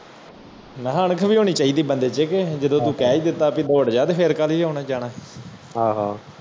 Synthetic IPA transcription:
mɛ̃ːɦaːnəkʰʋiːɦoːniːt͡ʃaːiːd̪iːbənd̪eːt͡ʃɪked͡ʒəd̪õːt̪ũːkɛːiːd̪ɪt̪ːaːpiːd̪oːəɽd͡ʒaːd̪eːpʰeːɾkaliːɦoːnaːd͡ʒaːɽaː | ɦãːɦaː

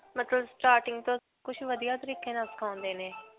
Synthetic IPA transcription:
mət̪ləbsʈaːɾʈɪŋɡt̪õː | kʊt͡ʃʰʋəd̪ijaːt̪əɾiːkẽːnaskʰãːʊ̃nd̪eːneː

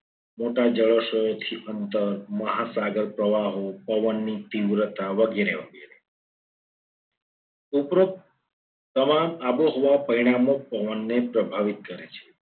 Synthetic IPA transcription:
moʈad͡ʒəɭəʃəjot̪ʰiʔənt̪əɾməɦasaɡəɾpɾəʋaɦopəʋənːit̪iʋɾət̪aʋəɡeɾeʋəɡeɾe | upɾo | t̪əmamaboɦoʋapəɾiɽ̃amopəʋənːepɾəbʱaʋit̪̚kəɾet͡ʃʰe̥

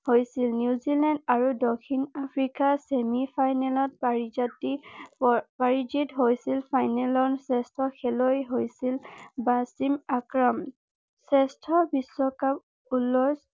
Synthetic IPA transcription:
hojsilnjuzilandaɹudɔkʰinapʰɹikasemipʰajnɛlɔt̚pɹid͡ʒati | paɹid͡ʒitɦojsilpʰajnɛlɔnsɛstʰɔxʰɛlojɦojsilbasimakɹɔm | sɛstʰɔbiswɔkap | ulɔs

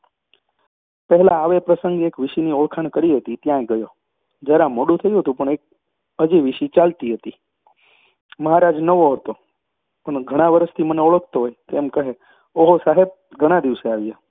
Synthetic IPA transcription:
pəɦɛlãːʋepɾəsəŋɡekʋɪʃinioɭkʰaɳkəɾiɦət̪it̪jãeɡəjo | d͡ʒəɾãmoɽut̪ʰəjiɦət̪ũpəɳ̃ek̚ | əd͡ʒiʋɪʃit͡ʃalt̪iɦət̪i | məɦaɾad͡ʒnəʋoɦət̪o | pəɳɡʱəɽ̃ãʋəɾəst̪ʰiməneoɭək̚ʰt̪oɦojt̪emkəɦe | oɦosaɦeb̚ɡʱəɽ̃ãd̪iʋseaʋja

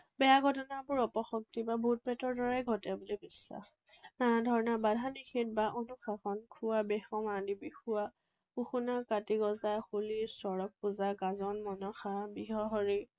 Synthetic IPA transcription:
bɛjaɡʱɔtɔnabʊɹɔpɔxɔk̚tibabʱut̚pɛtɔɹdɔɹajɡʱɔtabolobisːa̰x | nadʱɔɹnabadʱanixit̚baʔonuxaxɔnkʰuwabɛxɔmadibixua | puxunakatiɡɔzaxulisɔɹɔk̚puzaɡazɔnmɔnɔxabiɦɔɦɔɹi

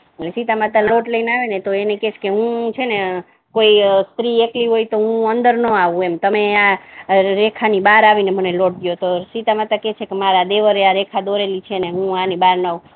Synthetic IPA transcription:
elesit̪amat̪aloʈləinaʋenet̪oeneket͡ʃʰkeɦũt͡ʃʰene | koist̪ɾiekliɦoit̪oɦũənd̪əɾnəaʋũemt̪əmea | ɾekʰanibaɾaʋineməneloʈ̚ɡ̪jot̪osit̪amat̪aket͡ʃʰekemaɾad̪eʋəɾeaɾekʰad̪oɾelit͡ʃʰeneɦũanibaɾnaũ

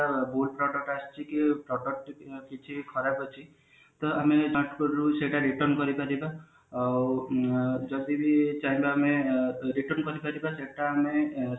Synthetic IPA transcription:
abulpɾɔʈɔʈast͡ʃikipɾɔʈɔʈkit͡ʃʰikʰɔɾabɔt͡ʃʰi | t̪ɔamed͡ʒaʈʰkɔɾɾuseʈaɾiʈɔɾnkɔɾipaɾibaː | w | d͡ʒɔd̪ibit͡ʃaɦĩbaːmeɾiʈɔɾnkɔɾipaɾibaseʈaːme

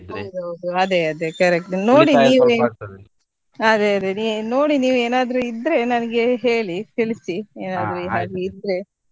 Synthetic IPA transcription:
ɦod̪od̪uɐd̪eɐd̪ekɐɾek̚ʈno̞ːɽiniːʋ | ɐd̪eɐd̪enino̞ːɽiniːʋeːnaːd̪ɾuid̪ɾe̞nɐnɐɡe̞ɦe̞ːɭit̪iɭisieːnaːd̪ɾuɦaːɡeid̪ɾe̞

